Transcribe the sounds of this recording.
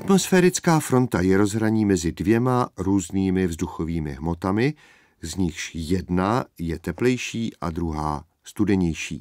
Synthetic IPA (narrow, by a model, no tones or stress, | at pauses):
ʔat̪mo̞sfɛːɾɪt͡skaːfɾo̞nt̪ajɛɾo̞zɦɾaɲiːmɛzɪdvjɛmaɾuːzniːmɪvzduxoviːmɪ̰ɦmo̞t̪amɪ | zɲɪxʃjɛdnajɛt̪ɛplɛjʃiːʔʔa̰dɾuɦa̰ː | st̪udɛɲɛjʃḭː